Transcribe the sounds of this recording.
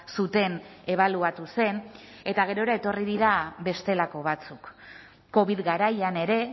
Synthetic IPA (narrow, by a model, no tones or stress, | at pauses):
sut̪e̞ne̞β̞aluat̪use̞n | e̞t̪aɣ̞e̞ɾo̞eɾae̞t̪o̞riðiɾaβbe̞st̪e̞lako̞β̞at͡sukː | o̞βiðɣaɾajane̞ɾe̞